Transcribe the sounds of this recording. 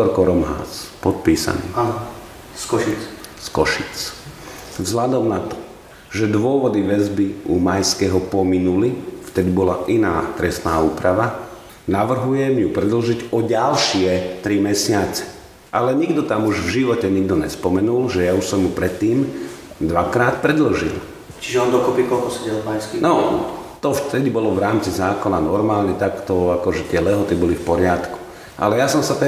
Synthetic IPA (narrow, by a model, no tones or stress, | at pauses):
t̪ɔɾkɔɾɔmɦa̰ːspɔt̪̚piːsa̰nḭː | skɔskɔʃit͡s | vzɦlad̪ɔmnat̪ɔ̥ | ʒɛd̪ʋʊɔʋɔd̪iʋɛzbiʔumajskɛɦɔpɔminulift̪ɛd̪ibɔlaʔinaːt̪ɾɛsnaːuːpɾaʋa | naʋr̩ɦujɛmjupɾɛd̪l̩ʒiɟɔɟalʃɪɛt̪ɾimɛsɪat͡sɛ̥ | ʔalɛɲiɡd̪ɔt̪amuʒvʒiʋɔcɛɲiɡd̪ɔɲɛ̰spɔmɛnulʒɛjauʃsɔmjupɾɛt̪ːiːmd̪ʋakɾaːt̪pɾɛd̪l̩ʒḭl | t͡ʃiʒɛɔnd̪ɔkɔpikɔlkɔsɛɟɛlpajskinɔt̪ɔft̪ɛdibɔlɔʋɾaːmt͡sizaːkɔnanɔɾmaːlɲɛt̪akt̪ɔakɔʒɛt̪ɪɛlɛɦɔt̪ibɔlifpɔɾɪat̪ku̥ | ʔa̰lɛjasɔmsat̪ɛ